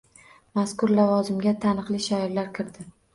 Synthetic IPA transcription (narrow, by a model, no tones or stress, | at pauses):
maskʊɾlavɒzɪmɡʲat̪ʰanɨqlˠiʃajɾlaɾkʲʰɪɾd̪ɪ